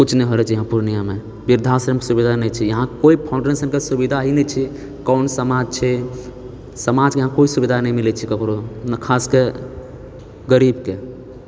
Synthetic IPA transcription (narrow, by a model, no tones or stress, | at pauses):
kut͡ʃʰnɛɦoɾɛt͡ʃʰjəɦãpuɾnijame | biɾd̪ʱasɾəmksubid̪ʱanɛt͡ʃʰijəɦãkoipʰãʊ̃ɳɖɾensənkesubid̪ʱaɦinɛt͡ʃʰi | kɔʊnsəmad͡ʒt͡ʃʰɛ | səmad͡ʒkeəɦãkoisubid̪ʱanɛjmilɛt͡ʃʰikəkɾonkʰaske | ɡəɾibke